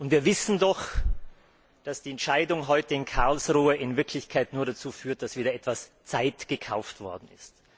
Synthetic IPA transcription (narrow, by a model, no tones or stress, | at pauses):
ʔʊntviːɐvɪsn̩dɔx | d̥asd̥iːɛntʃaɪdʊŋɦɔʏtəɪnkʰaʁlsʁuːəʔɪnvɪɐkʰlɪçkʰaɪtnuːɐɾat͡suːfyːɐt̚d̥asv̥iːdɐʔɛtv̥ast͡saɪtɡ̥əkʰa̰ʊftv̥ɔ̰ɐdn̩ɪ̰st